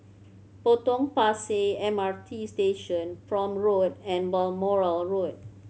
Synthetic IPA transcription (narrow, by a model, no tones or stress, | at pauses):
potɔ̃ŋpaseɛ̃maɹtʰisteʃɔ̃nfɹɔ̃mɹodɛ̃nbɔlmɔɹəlɹod̚